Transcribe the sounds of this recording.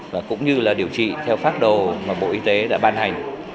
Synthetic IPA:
vaː˨˩kʊ̰˧˥ŋ͡mɲɨ˧laː˨˩ɗi˨˩əwt͡ɕḭ˧˨t̪ʰɛ˧wfaː˦˥t̚ɗo˨˩maː˨˩ɓo̰˧˨ʔi˧t̪e˨˦ɗa̰ː˧˥ɓaː˧nha˨˩jŋ̟

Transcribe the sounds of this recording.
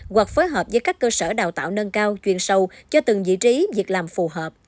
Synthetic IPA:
ɣwa˨˩k̚fo˨˦jɦəː˨˩p̚zəː˨˦jkaː˦˥kːəː˧səː˧˩ɗa̰ː˨˩wt̪a̰ː˧˨wnə˧nkaː˧wt͡ɕwi˨˩ənsə˨˩wt͡ɕɔ˧t̪ɨ˨˩ŋvḭ˧˨t͡ɕi˨˦vi˨˩ək̚laː˨˩mfu˨˩ɦəː˨˩p̚

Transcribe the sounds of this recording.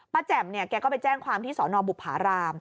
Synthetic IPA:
pa˧t͡ɕɛ˨˩mni˥˩əkɛː˧kɔː˥˩pa˧jt͡ɕɛː˥˩ŋkʰwaː˧mt̪ʰiː˥˩sɔː˩˦nɔː˧bu˨˩p̚haː˩˦ɾaː˧m

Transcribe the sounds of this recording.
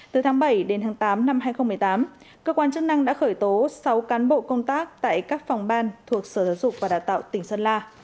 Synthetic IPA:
t̪ɨ˨˩t̪ʰaː˨˦ŋɓə˧˩jɗe˨˦nt̪ʰaː˨˦ŋt̪aː˨˦mna˧mɦaː˧jxə˧wŋ͡mmɨ˨˩ə˩jt̪aː˨˦m | kəː˧kwaː˧nt͡ɕɨ˦˥k̚na˧ŋɗa̰ː˧˥xəː˧˩jt̪o˨˦sa˨˦wkaː˨˦nɓo̰˧˨kə˧wŋ͡mt̪aː˦˥k̚t̪a̰ː˧˨jkaː˦˥k̚fa˨˩wŋ͡mɓaː˧nt̪ʰu˨˩ək̚səː˧˩t̪ʰəː˨˦zʊ˨˩k͡p̚vaː˨˩ɗaː˨˩wt̪a̰ː˧˨wt̪ï˩ŋ̟səː˧nlaː˧

